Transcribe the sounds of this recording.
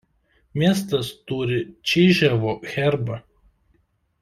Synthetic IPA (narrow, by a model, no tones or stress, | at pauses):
mʲiɛs̬t̪ɐst̪uːɾʲɪt͡ʃʲɛːʒʲæʋoːxʲæˑɾbɐ